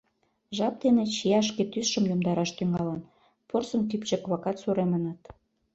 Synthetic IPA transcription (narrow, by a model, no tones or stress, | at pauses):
ʒɑp̚d̪enet͡ɕiɑʃ̬ket̪ysʃə̆mjomd̪ɑɾɑʃt̪yŋɑlən | porsə̆nt̪ypt͡ɕĕkβɑkɑt̪suɾemənɑt̪